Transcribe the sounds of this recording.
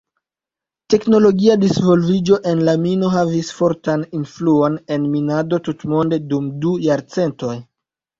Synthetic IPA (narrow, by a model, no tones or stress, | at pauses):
te̞kno̞lo̞ɡiadisvo̞lvid͡ʒo̞ʔe̞nlamino̞ɦavisfo̞ɾtaninfluone̞nminado̞tutmo̞nde̞dumdujaɾt͡se̞nto̞j